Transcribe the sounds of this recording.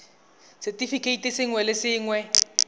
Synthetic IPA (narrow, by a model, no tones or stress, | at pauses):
sɛtʼifikʰʼeitʼisɪŋwɛlɪsɪːŋwɛ